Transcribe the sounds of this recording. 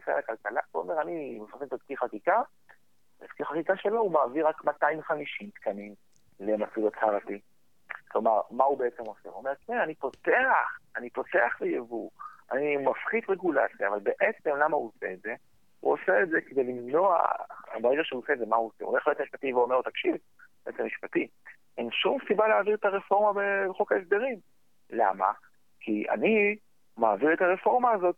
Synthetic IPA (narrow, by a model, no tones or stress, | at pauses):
osea̰lakalkalauome̞ʁanimafʁitit̪atkiχakika | etkiχakikaʃe̞loumaːviʁakmat̪aimχamiʃimt̪kanim | lemat͡sudat͡shaʁati | klo̞maʁmaube̞et͡se̞mo̞seṵomeʁtneanipo̞te̞aχanipo̞teaχvejevua̰nimafχid̪ʁeɡula̰t͡sjaːvalbeʔet͡se̞mlamahuoseːtze̞ | hṵoseːtzeked̪e̞jlimno̞a̰a̰bajɡeʃeuosedzemauoseole̞χlijot̪miʃpat̪iveomeʁut̪akʃiv | beʔett͡semiʃpat̪i | ʔenʃumsibaleaːviʁet̪aʁefo̞ʁmabebeχokaesd̪eʁim | la̰ma̰ | kia̰ni | maːviʁetaʁe̞fo̞ʁmaːzo̞t̪̚